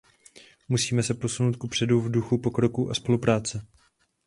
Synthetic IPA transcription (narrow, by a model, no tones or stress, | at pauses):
musiːmɛsɛpo̞suno̞wt̪̚kupr̥ɛduvduxupo̞kɾo̞kuʔaspo̞lupɾaːt͡sɛ